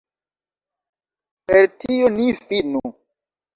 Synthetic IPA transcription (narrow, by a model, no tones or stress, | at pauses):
peɾtionifinu